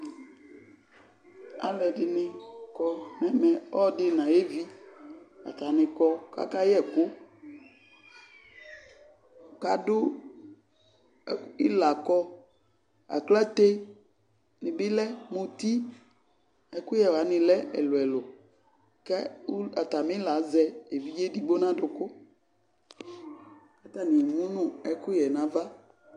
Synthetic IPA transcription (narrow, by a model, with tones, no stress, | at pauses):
a̰˨lɛ˨dɪ˨nɪ̃˦kɔ˦nɛ̃˨˦mɛ̃˨ɔ˦dɪ˦nã˨je˦vi˦ | a̰˨t̪a˨nɪ̃˨kɔ˦ka̰˦ka˦jɛ˦˨kʊ˦ | ka˨dʊ˦ | i˦la˨kɔ˦ | a̰˨kla˦t̪e˦ | nɪ̃˨bɪ˦lɛ˦mõ˨t̪i˦ | ɛ˨kʊ˦jɛ˨wa˨˦nɪ̃˨lɛ˦ɛ̰˨lʊ˨ɛ˨lʊ˨ | kɛ˦a˨t̪a˨mɪ̃˦la˨˦zɛ˦e˨vi˦d͡ʒe˦di˦bo˦nã˦dʊ˨kʊ˦ | ka˦t̪a˨nĩ˨mũ˦nʊ̃˦ɛ˦kʊ˦jɛ˨nã˨va˦